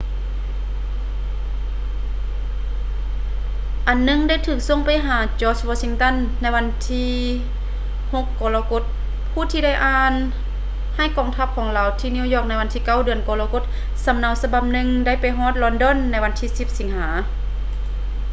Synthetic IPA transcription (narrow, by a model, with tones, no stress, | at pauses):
ʔa˨˩nːɯ˧˥˨ŋda˥˨jt̪ʰɯː˧˩k̚so˧˥˨ŋpa˨jɦaː˨˩˦t͡ɕɔː˧˩t͡ɕwɔː˧si˧ŋt̪a˧˥˨nːa˧˥jʋa˧˥nt̪ʰiː˧˥ | ho˧˦kːɔː˧la˧ko˧˥t̪̚ | pʰuː˧˥˨t̪ʰiː˧da˥˨jʔaː˧n | ha˧˥˩jkɔː˧˦ŋt̪ʰa˧˥p̚kʰɔː˨˦ŋlaː˨˧wt̪ʰiː˧˨ni˧˥˨wjɔː˧˩k̚na˧˥jwa˧nt̪iː˧ka˧˥˩wdɯ˨˧ənkɔː˧laː˧ko˧˦t̪̚ | sa˨˧˦mna˧˩wsa˧ba˧p̚nɯ˧ŋda˧˩˨jpa˨jɦɔː˧˥˦t̪̚lɔː˧ndɔ˧˥˨nːa˧˥jʋa˧˥nt̪ʰiː˧si˧˦p̚si˨˦ŋhaː˩˨˦